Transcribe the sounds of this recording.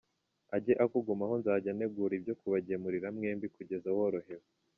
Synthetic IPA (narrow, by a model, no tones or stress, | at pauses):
aɟe̞ʔakuɡumaɦo̞nzaɟane̞ɡuɾibɟo̞kuβaɟemuɾiɾamŋe̞ːmbikuɟe̞zawo̞ːɾo̞ɦe̞ɾe